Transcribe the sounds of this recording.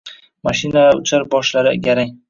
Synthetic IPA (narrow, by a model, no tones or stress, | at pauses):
maʃɪnaaʊt͡ʃʰaɾbɒʃlaɾɪɡʲaɾaŋ